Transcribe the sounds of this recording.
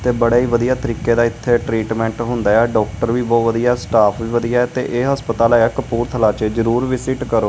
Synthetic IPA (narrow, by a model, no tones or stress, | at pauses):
t̪eːbəɽaːiːʋəd̪ijaːt̪əɾiːkeːd̪aːɪt̪ʰːeːʈɾiːʈmɛ̃ːɳʈɦʊ̃nd̪aːɛːɖɔːkʈəɾʋiːbɔːʋəd̪ijasʈaːpʰʋiːʋəd̪ijaːɛːt̪ḛːʔeːɦəspət̪aːlaːɛːkəpuːɾt̪ʰəlaːt͡ʃezəɾuːɾʋɪsɪʈkəɾoː